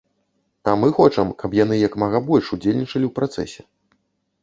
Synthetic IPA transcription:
amɨxɔt͡ʂɐmkʰɐpjan̪ɨjɐkmɐɣabɔlʲʂud͡zʲelʲnʲit͡ʂɐlʲiwpɾat̪sɛsʲɛ

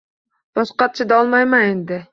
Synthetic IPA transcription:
b̥ɒsqɑt̪̚t͡ʃʰɪd̪aɒlˠmajmanend̪ɪ

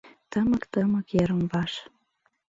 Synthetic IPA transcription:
t̪əməkt̪əmə̆keɾəmbɑʃ

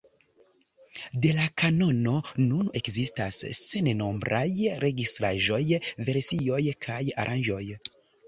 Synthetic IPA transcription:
de̞lakano̞no̞nune̞kzistasːe̞neno̞mbɾʔa̰jɾʔe̞ɡistɾaʒo̞jve̞ɾsio̞jkʰaja̰ɾʔand͡ʒo̞j

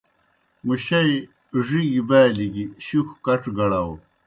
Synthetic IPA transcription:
muɕɐj | ʐiɡibaːliɡiɕuxkɐʈ͡ʂɡɐɽaw

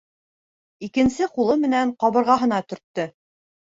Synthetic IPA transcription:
ikɘ̆nsɘqulˠɤmɘ̆næɴqɑβɤ̆ɾʁɑɦɤ̆nɑt̪ɵ̆ɾt̪ːɵ

